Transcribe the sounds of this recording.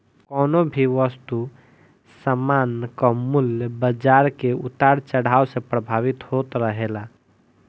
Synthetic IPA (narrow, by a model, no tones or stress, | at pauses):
kɔːnobʱiʋəst̪u | səmankɔmʊljəbəd͡ʒaɾkeut̪aɾt͡ʃəɽ̤aːosẽpɾəbʱaʋit̪ɦot̪ɾəɦela